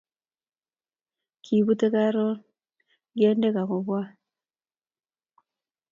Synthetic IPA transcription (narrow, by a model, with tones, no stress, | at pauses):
kʰi˨βu˦te˦ka˦ɾo˦ | ɡje˦nde˦ka˨ko˨βwa˦